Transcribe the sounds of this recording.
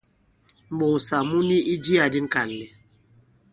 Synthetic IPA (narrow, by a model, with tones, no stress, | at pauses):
m̩˨bo˨ŋ˨sa˨mu˦ni˦ʔi˦d͡ʒi˦a˨di˦ŋ̩˦ka˨n˨lɛ˨